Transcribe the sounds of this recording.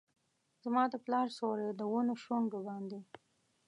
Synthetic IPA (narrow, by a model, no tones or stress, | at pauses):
zmɑd̪əplɑɾsoɾed̪əwonoʃoŋɡobɑnd̪e